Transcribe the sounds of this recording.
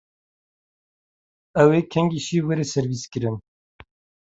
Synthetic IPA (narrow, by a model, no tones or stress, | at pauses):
ɛweːkʰɛŋɡiʃiwɛɾesɛɾviːskɨɾɨn